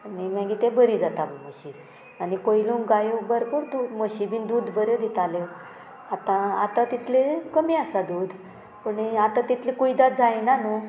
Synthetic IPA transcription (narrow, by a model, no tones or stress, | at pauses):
animãɡit̪ẽbəɾid͡zat̪amməɕi | anipojlũŋkɡajobəɾkoɾd̪uməɕibind̪uːd̪bəɾjod̪it̪ale | at̪ãat̪ãt̪it̪ʰlekəmiasad̪ud̪ | puɳiat̪ãt̪it̪ʰlẽkujd̪at̪̚d͡zajnanu